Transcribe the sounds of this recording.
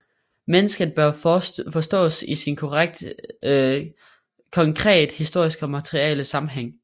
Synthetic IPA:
menəsɡ̥əð̩ˠb̥ɶɐfɒ̽sd̥ɔ̰ːsisinkʰoʁaɡ̥̚d̥ | kʰɒ̽ŋkʰʁɛ̰ːd̥hisd̥o̝ɐ̰isɡ̥ɒ̽mæt͡sʰʁiɛ̰ːləsɑ̈mm̩ɦeŋ̰

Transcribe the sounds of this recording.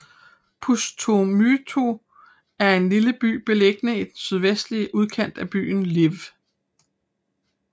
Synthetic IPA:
pʰust͡sʰomyt͡sʰo | æɐe̝nliləb̥y̰ːb̥e̝leɡ̥ənəid̥ensyð̞ˠʋesd̥liəʔuð̞ˠkʰen̰d̥æb̥y̰ːn̩liʋ

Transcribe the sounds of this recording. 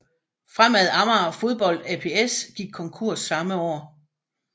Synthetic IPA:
fʁamæð̞ˠɑ̈mɐfo̝ð̞ˠb̥ɒ̽l̰d̥æpʰe̝esɡ̥iɡ̥̚kʰɒ̽ŋkʰo̝ɐ̰sːɑ̈məɒ̰ː

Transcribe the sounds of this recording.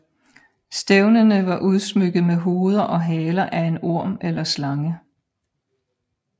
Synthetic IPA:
sd̥eʊnənəʋɑ̈ʔuð̞ˠsmøɡ̥ð̩ˠmeɦo̝ːð̞ˠɐʔɒ̽ɦɛːlɐʔæe̝no̝ɐ̰melɐslɑ̈ŋə

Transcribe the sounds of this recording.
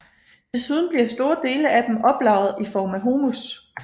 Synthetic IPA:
dʰe̝suð̞ˠn̩b̥liɐsd̥o̝ːɐd̥e̝ːləæd̥emɒ̽b̥lɑ̈ʊ̰ð̞̩ˠifɒːmæɦo̝ːmus

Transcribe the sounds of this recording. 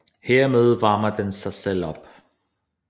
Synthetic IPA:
heɐ̰með̞ˠʋɑ̈ːmɐd̥ensɑ̈ɪsel̰ɒ̽b̥

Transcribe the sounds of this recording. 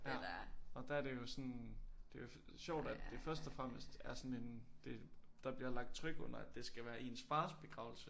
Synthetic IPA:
jæɒ̽d̥ææɐɾ̥e̝jo̝sɒ̽nd̥e̝jo̝ | ɕɒʊ̰d̥æd̥ːe̝fɶɐsd̥ɒfʁɑm̰əsd̥æɐsɒ̽ne̝nd̥e̝d̥ɑ̈b̥liɐlɑ̈ɡ̥̚d̥̚t͡sʰʁœɡ̥ɔ̽n̰ɐæd̥e̝sɡ̥æʋæːɐʔe̝ːnsfɑ̈ːsb̥e̝ɡ̥ʁɑ̈ʊl̩sə

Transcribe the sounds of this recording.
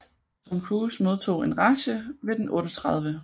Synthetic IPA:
sʰɒ̽mkʰuːsmo̝ðˠt͡sʰo̝̰ːe̝nʁɑ̈ɕəʋe̝d̥enʔɔ̽ːɾɒt͡sʰʁɑ̈ð̞ˠʋə

